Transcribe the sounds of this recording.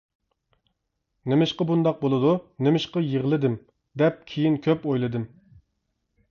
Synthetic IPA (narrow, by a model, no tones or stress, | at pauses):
nɪmɪʃqɑbund̪ɑq̚bolˠɨd̪unemɪʃqɑjeʁlˠɨd̪ɪm | d̪ɛp̚kʲʰijinkʲʰøpojlˠɨd̪ɨm